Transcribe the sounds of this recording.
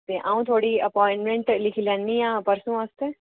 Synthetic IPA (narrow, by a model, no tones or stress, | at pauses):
t̪eːʔaːũːt̪ʰoːɽiəpɔːɪ̃ɳʈmẽɳʈlɪkʰilɛːnːiːãːpəɾsũːast̪eː